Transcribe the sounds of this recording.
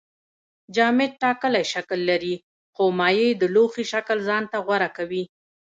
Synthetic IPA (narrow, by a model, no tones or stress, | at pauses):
d͡ʒɑmɪd̪̚ʈɑkəlajʃakəlːaɾi | xomɑjəjd̪əloxiʃakəlzɑnt̪aɣwaɾakawi